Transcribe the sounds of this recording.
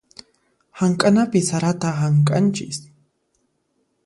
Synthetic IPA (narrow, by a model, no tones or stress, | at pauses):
haŋkʼanapɪsaɾat̪aɦaŋkʼa̰nt͡ʃɪ̰s